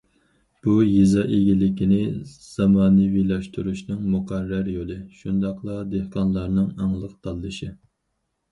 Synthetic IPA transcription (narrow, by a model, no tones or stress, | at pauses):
b̥ujizɑʔeɡʲilɪkʲinɪz̥ɑmɑːnɨwilˠɑʃt̪ʰuɾuʃnɨŋmuqʰærːæɾjolˠɨʃund̪ɑqlˠɑd̪ehqɑnlˠɑɾnɨŋɑŋlˠəq̚t̪ʰɑlˠːɨʃɪ